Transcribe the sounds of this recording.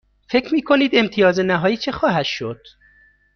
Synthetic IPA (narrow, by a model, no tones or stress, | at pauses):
fe̞cʰɾmiːkʰo̞niːd̪e̞mt̪ʰijɒːzenæɦɒːjiːt͡ʃʰexɒːɦæt̪ʃod̪̥